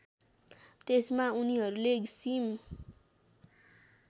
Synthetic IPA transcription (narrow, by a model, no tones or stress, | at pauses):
t̪esmauniɦʌɾuleɡisim